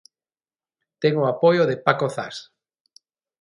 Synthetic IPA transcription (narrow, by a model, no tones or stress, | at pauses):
t̪ɛŋoapojoðepakoθa̰s